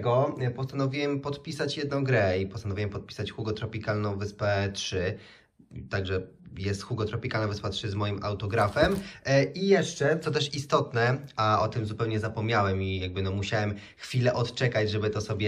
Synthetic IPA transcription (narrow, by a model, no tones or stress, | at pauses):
ɡɔpɔst̪anɔvʲiwɛmpɔt̪pʲisat͡ɕjɛd̪nɔ̃w̃ɡɾɛipɔst̪anɔvʲiwɛmpɔt̪̚pʲi̥sat͡ɕxuɡɔt̪ɾɔpʲikalnɔ̃w̃vɘspɛtʂɘ | t̪aɡʐɛ | jɛst̪xuɡɔt̪ɾɔpʲikalnɔ̃wvɨspatʂɘzmɔjimʔa̰wt̪ɔɡɾafɛmijɛʂt͡ʂɛt̪sɔt̪̬ɛʂist̪ɔt̪nɛaʔɔt̪ɘmzupɛwɲɛzapɔmɲawɛmijaɡ̚bɘnɔmuɕawɛm | xfʲilɛʔɔt̪t͡ʂɛkad͡ʑʐɛbɘt̪ɔsɔbʲjɛ